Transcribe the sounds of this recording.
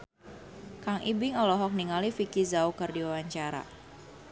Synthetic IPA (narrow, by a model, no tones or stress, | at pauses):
kaŋʔibɪŋɔlɔɦɔk̚niŋalifikizaukərdiwawaɲt͡ʃaɾa̰